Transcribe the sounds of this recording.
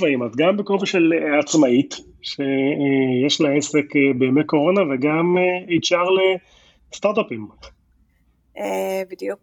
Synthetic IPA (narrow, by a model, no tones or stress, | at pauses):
vaimazɡambekovaʃelat͡smait̪ | ʃejeʃlaese̞kbeːmeko̞ʁo̞naveɡameejʃaʁle | st̪aʁt̪apim | ebid̪juk